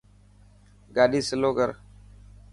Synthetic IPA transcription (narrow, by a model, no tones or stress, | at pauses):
ɡaːɗiːsəloːkəɾ